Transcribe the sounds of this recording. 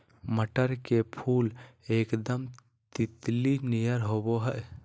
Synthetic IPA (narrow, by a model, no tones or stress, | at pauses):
məʈəɾkepʰulekd̪əm | t̪it̪linijəɾɦoboɦəʔ